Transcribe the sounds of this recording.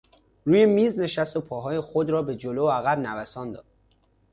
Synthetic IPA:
ɾuːje̞miːzne̞ʃæst̪opʰɒːɦɒːje̞xod̪ɾɒːbe̞d͡ʒoloæɣæbnævæsɒːnd̪ɒ̰ːd̪̥̚

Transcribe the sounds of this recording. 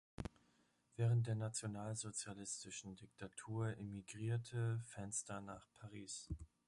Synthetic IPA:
v̥ɛːʁ̞ənt̚d̥eːɐnat͡sjonaːlzot͡sjalɪstɪʃn̩dɪk̚tʰatʰuːɐʔemiɡʁiːɐtʰəfɛnstɐnaːχpʰaʁiːs

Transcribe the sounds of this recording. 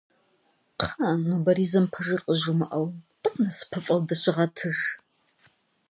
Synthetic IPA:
qʰanobɐɾizɐmpʰɐʐɨrqʼəʒumɨʔɐwtʼɨqʼnɐsɨ̥pʰɐfʼɐwdɐɕʷɪʁɐtʰɨʒ

